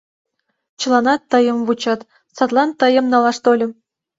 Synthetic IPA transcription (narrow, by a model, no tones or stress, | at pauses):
t͡ɕɤ̆lˠɑnɑt̪ːɤ̆jɤ̆mvut͡ɕɑt̪ | sɑt̪lˠɑnt̪ɤ̆jɤ̆mnɑlˠɑʂt̪olʲɘ̆m